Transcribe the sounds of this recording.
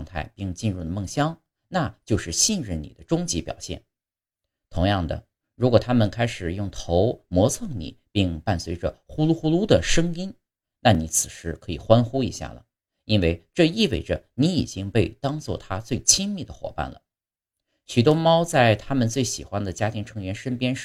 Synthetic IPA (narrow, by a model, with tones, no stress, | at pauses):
ŋt̪ʰa̰˥˧ɪpi˥˧ŋt͡ɕi˥˧nɻu˥˩d̪ə˩mɤ˥˩ŋɕjɑ˥ŋ | na˥˧t͡ɕjo˥˧ʊʂɻ̩˥˩ɕi˥˧nɻə˥˩nḭ˨˩d̪ə˦ʈ͡ʂʊ˥ŋt͡ɕi˧˥pjɑ˨˩ʊɕjɛ̰˥˩n | t̪ʰʊ˧˥ŋjɑ˥˩ŋd̪ə̰˩ | ɻu˧˥kwɔ˨˩t̪ʰa˥mə˨nkʰa˥ɪʂɻ̩˨˩jʊ˥˩ŋt̪ʰo˧˥ʊmwɔ˧˥t͡sʰɤ˥˩ŋnḭ˨˩˦pi˥˧ŋpa˥˩nswe˧˥ɪʈ͡ʂə˨xu˥lu˥xu˥lu˥d̪ə˨ʂɤ˥ŋi˥n | na˥˩ni˧˥t͡sʰɹ̩˨˩ʂɻ̩˧˥kʰɤ˧˥ḭ˨˩xwa˥nxu˥ḭ˧˥ɕja̰˥˩lə̰˩ | i˥nwe˥˧ɪʈ͡ʂɤ˥˧i˥˧wḛ˥˩ɪʈ͡ʂə˩ni˧˥i˨˩t͡ɕi˥ŋpe˥˩ɪt̪ɑ˥ŋt͡swɔ̰˥˩t̪ʰa˥t͡swe˥˩ɪt͡ɕʰi˥ŋmi˥˩d̪ə˩xwɔ̰˨˩pa̰˥˩nlə̰˩ | ɕy˨˩t̪̬wɔ˥mɑ˥ʊt͡sa˥˩ɪt̪ʰa˥mə˨nt͡swe˥˩ɪɕḭ˨˩xwa˥nd̪ə˨t͡ɕja˥t̪ʰi˧˥ŋʈ͡ʂʰɤ˧˥ŋɥɛ˧˥nʂə˥npjɛ˥nʂ